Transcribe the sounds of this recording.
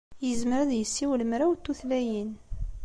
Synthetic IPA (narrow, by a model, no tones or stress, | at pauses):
jəzməɾæðjəsːiwləmɾawt̪ːuθlæjən